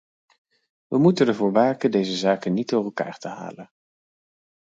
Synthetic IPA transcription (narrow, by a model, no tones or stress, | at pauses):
ʋəmutənəɹvʊːɹʋaːkədejzəzaːkənːidʊːrɛlˠka̰ːɹtəɦa̰ːlən